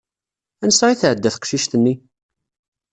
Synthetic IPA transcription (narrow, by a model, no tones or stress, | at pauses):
ænsɾiθʕəd̪ːæθə̥qʃiʃt̪ənːi